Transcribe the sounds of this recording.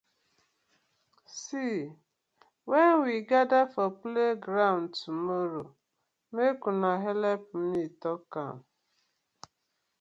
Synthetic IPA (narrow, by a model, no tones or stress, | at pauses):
si | weŋ̩wiɡadafɔpleɡɾaʊntumoɾo | mekunaɦelep̚m̩nitɔka̰n̩